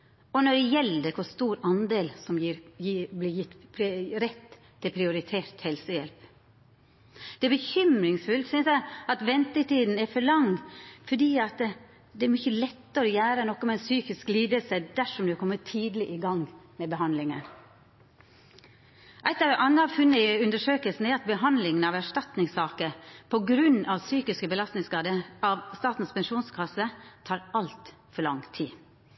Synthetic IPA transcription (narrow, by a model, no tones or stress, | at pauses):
ɔnɔɖɛjɛld̪əkʰʊst̪uːɾɑnd̪eːlsɔmjiːɾjiːblɪjɪt̪ːpʰɾɛt̪ʰː | ɪlpʰɾɪʊɾɪt̪ʰeːɾt̪hɛlsəjɛlp | d̪̥ɛæɾbəçʏmɾɪŋsfʉlt̪sʏnsjæɪɑt̪ʋɛnt̪ət̪iːd̪n̩ɛɾfɔɾɭɑŋfɔɖiːɑt̪ | d̪ɛæɾmʏçəlɛt̪ːəɾɔjæːɾənɔkːɔmɛɛnsyːkɪskliːd̪əlsəd̪æʂɔmd̪ʉhɑkʰɔmːət̪ʰːiːd̪lɪʔɪɡɑŋmɛbəɦɑnlɪŋən | ʔæɪt̪ɑʋɛʔɑnːɑfʉnːəɪʉnd̪əʂøːkəlsn̩æɾɑt̪̚bəɦɑnd̪lɪŋənɑʋæʂʈɑt̪nɪŋsɑːkəpʰɔɡɾʉnɑʋsyːkɪskəbəlɑst̪nɪŋskɑːd̪əɑʋst̪ɑːt̪n̩spɛnʃuːnskʰɑsət̪ʰɑːɾɑlt̪ | fɔɭɑ̰ŋt̪ʰḭː